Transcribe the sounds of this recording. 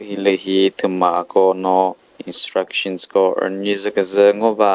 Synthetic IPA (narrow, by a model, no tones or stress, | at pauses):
hiləɦit̪ʰəmaʔkɔnɔ | instɾakʃɔnskɔə̰nizəkəzəŋɔva